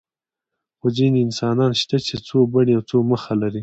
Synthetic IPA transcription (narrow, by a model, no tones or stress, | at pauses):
xoziniɪnsɑnɑnʃt̪at͡ʃet͡sobaɳiawt͡soməxalaɾi